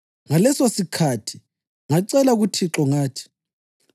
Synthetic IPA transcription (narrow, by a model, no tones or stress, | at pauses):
ŋalɛsosikʰatʰi̥ | ŋaǀɛlaɣutʰiǁɔŋaːtʰi̥